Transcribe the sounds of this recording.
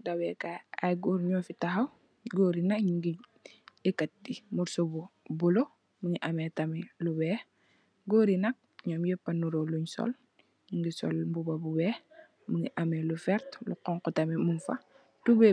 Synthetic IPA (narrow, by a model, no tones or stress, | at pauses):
dawɛkaajɡuɾɲɔːfitaɦɐw | ɡoːɾinɐkɲiŋɡi | ɛkːɐt̚dimuɾsobubulo | muŋiʔamɛtamilubɛː | ɡoːɾinɐk̚ɲɔːmjɛpːɐnuɾoluɲsɔ̰l | ɲiŋɡisɔ̰lmbubabubɛː | muŋɡḭʔamɛlufɛɾtlṵqɔŋkutɐmimunfɐ̰ | tubɛ